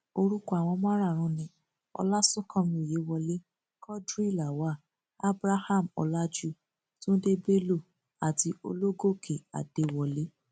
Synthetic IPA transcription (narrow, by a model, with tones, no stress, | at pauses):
o˧ɾu˦ku˦a˨w̃ɔ̃˧mã˦ɾa˦˨ɾ̃ũ˧˦nĩ˧ | ɔ̰˧la˦su˦kʰɔ̃˧mĩ˧i˨je˨˦wɔ˧le˦ | kʰɔ˦dɾi˦˨la˨wa˨˦˨ | a˦bɾa˦ha˦˨mɔ̰˧la˦d͡ʒu˦˨ | tũ˦de˦be˦lo˦˨ | a˨ti˧o̰˧lo˦ɡo˦˨kʰe˨a̰˨d̥e˨wɔ˧le˦